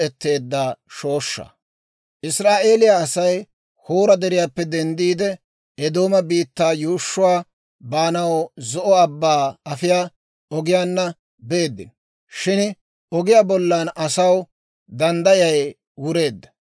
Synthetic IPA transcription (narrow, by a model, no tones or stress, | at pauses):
ɛt̪ːe̞ːd̪ːaːʃo̞ːʃːɐ̰ | ʔɪsɾaːʔe̞ːlɪjaːsɐj | hoːɾɐd̪ɛɾɪjaːpːɛd̪ɛnd̪iːd̪ɛ | ɛd̪o̞ːmɐbiːt̪ːaːjuːʃːʊwaː | baːnɐwzɔʔɔɐbːaːɐfɪjaː | ɔɡɪjaːnːɐ | be̞ːd̪ːɪ̰n | ʃɪn | ɔɡɪjaːbɔlːɐnɐsɐw | d̪ɐnd̪ɐjɐj | wʊɾe̞ːd̪ːɐ̥